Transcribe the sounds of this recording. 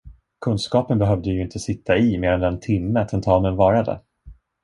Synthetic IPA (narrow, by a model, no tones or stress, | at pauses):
kʰɵnskɑːpənbɛɦœvd̪əjɵɪnt̪ʰəsɪt̪ʰːaɪmeːɾand̪ɛnt̪ʰɪmːəat̪ʰɛnt̪ʰɑːmənvɑːɾad̪ɛ̰